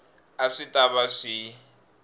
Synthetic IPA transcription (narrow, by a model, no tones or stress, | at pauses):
aʂitʼaβaʂi